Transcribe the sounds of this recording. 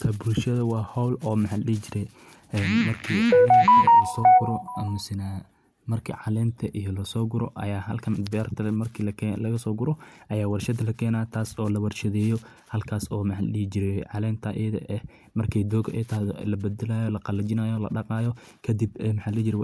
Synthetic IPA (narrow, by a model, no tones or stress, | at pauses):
kʰɐbulʃɐðɐwɑːhɔwlɔːmɑħalliːt͡ʃɪɾɛ | ɛmɐrkʰiːʕɑlɛnlɐsɔːɡʊɾɔʔɐmʊsɪna | mɐrkʰḭːʕɑlɛːmt̪ʰɐʔijɔlɐsɔːɡʊɾɔ̰ʔɐjaːɦɐlkʰɐnbɪɐrt̪ʰɐmɐrkʰiːlɐɛlɐɣɐsɔːɡʊɾɔʔɐjaːwɐrʃɐd̪ɐlɐkʰɛːnaːt̪ʰaːsɔːlɐwɑrʃɐðɛːjɔ | hɐlkʰaːsɔːmɐħalliːd͡ʒɪɾɛʕɑlɛːmt̪ʰɐʔɪɐðɐ̰ʔɛ | mɐrkʰɛjd̪ɔːɡɐʔɛ̰jt̪ʰɐɦðɔlɐbɐd̪ɛlaːjɔlɐqɑlɐt͡ʃɪnaːjɔlɐ̰ɖɑqɑːjɔ | kʰɐd̪ɪbmħaːlɛːd͡ʒɪɾɛ